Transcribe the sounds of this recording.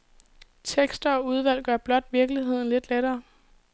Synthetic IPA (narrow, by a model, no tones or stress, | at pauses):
t͡sʰeɡ̥sd̥ɐɒ̽uð̞ˠʋæl̰ɡ̥ɶɐb̥lɒ̽d̥ʋiɐɡ̥liɦe̝ð̞̰ˠn̩le̝d̥leɾɐː